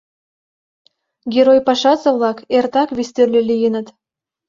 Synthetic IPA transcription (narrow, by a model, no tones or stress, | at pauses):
ɡʲeɾojpɑʃɑzɤ̆βlˠɑkert̪ɑkβist̪ørlʲĕlʲijɘ̆nə̆t̪